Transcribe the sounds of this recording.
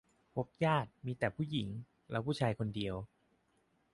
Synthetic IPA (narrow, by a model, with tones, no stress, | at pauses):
pʰo˦˥p̚jaː˥˩t̪̚miː˧t̪ɛː˨˩pʰuː˥˩ji˩˦ŋ | lɛː˦˥pʰu˥˩t͡ɕʰaː˧jkʰo˧ndi˧əw